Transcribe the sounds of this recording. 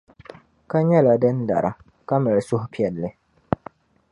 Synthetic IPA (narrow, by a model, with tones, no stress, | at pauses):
ka˦ɲɛ˦la˨dɨ˦n˦da̰˨ɾa̰˨ | ka˦mɨ˨ɾsʊ˦ɦʊ˦pi˨˦ɛ˨lːɨ˦